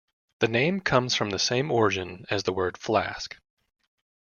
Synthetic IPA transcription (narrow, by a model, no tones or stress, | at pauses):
ðɨnẽɪ̃mkʰʌ̃mz̥fɹʌ̃mðɨsẽɪ̃mɔɹɨd͡ʒɨ̃nɨzðəwɜ˞d̥flæ̰sk